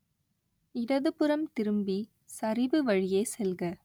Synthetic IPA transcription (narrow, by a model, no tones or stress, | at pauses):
ɪɽɐðɯpɯɾɐmt̪ɪɾɯmbi | sɐɾɪbɯʋɐɻɪjeːsɛlɣɐ